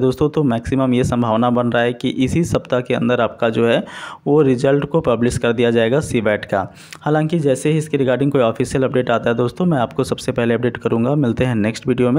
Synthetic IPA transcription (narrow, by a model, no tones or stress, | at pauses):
d̪oːst̪õt̪omɛːksɪməmjesɐ̃mbʱaːʋnabɐnɾaaɦɛkiʔɪsisɐpt̪akeɐ̰̃nd̪əɾaːp̚kad͡ʒoːɦɛʋoɾɪzəlʈkopɐblɪʃkɐɾd̪ijad͡ʒaːeːɡasiʋɛːʈka̰ː | haːlãːŋkid͡ʒɛːseɦiɪskiɾɪkaːɾɖɪ̃ŋɡkoːiɔːfiːsijəlɐp̚ɖeːʈaːt̪aɦɛd̪oːst̪õmɛ̃aːp̚kosɐbsepɛɦleɐp̚ɖeːʈkɐɾũːŋɡamɪlt̪eɦɛ̃nɛːksʈʋiːɖijomẽ